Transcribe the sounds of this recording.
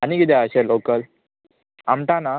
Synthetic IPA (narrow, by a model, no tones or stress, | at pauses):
anikid̪ɛəɕelokəl | amʈ̪ana